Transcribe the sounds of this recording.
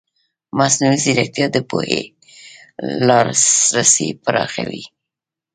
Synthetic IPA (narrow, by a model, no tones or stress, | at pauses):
masnuliziɾak̚t̪ijɑd̪əpohe | lɑɾsɾasipəɾʔɑxawi